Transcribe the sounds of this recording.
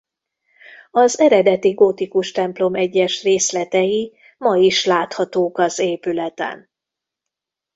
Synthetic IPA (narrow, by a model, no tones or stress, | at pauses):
ɒzɛɾɛd̪ɛt̪iɡot̪ikuʃt̪ɛmplo̞mɛɟːɛʃreːslɛt̪ɛji | mɒjiʃlaːt̪hɒt̪oːkɒzeːpylɛt̪ɛ̰n